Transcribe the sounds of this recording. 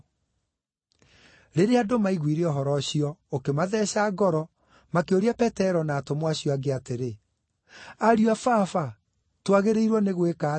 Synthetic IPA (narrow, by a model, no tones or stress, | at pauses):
ɾeɾeadomaiɣwiɾeɔɦɔɾɔɕijɔokemaðɛːɕaːɡɔɾɔ | makeoɾiapɛtɛɾɔnaːtomwaɕjɔaɡeateɾe | aɾjwafafa | twaɣeɾeiɾwɔneɣweka